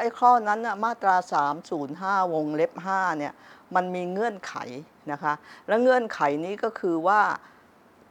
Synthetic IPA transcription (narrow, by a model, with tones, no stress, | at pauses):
ʔa˦˥˩jkʰɔː˥˩na˦˥nːi˥˩ɐmaː˥˩t̪ɾaː˧saː˩˦msuː˩˦nɦaː˥˩wo˧ŋle˦˥p̚ɦaː˥˩ni˥˩əma˧nmiː˧ŋɯ˧˩ənkʰa̰˨˩˦j | na˦˥kʰa˦˥lɛː˦˥wŋɤ˧˥˩ənkʰa˩˦jniː˦˥kɔː˥˩kʰɯː˧waː˥˩